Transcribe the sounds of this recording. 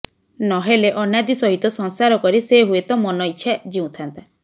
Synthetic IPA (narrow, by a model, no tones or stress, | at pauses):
nɔɦeleʔɔnjad̪isɔɦit̪ɔsɔŋsaɾɔkɔɾiseɦuet̪ɔmɔnɔit͡ʃʰad͡ʒiũt̪ʰant̪a